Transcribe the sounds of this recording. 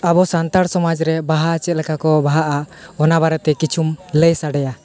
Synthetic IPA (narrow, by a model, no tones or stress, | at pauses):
abɔsant̪aɽsɔmad͡ʒɾɛbaɦat͡ʃɛt̪̚lɛkakɔbaɦaʔaʔɔnaβaɾɛt̪ɛkit͡ʃʰumləjsaɖɛja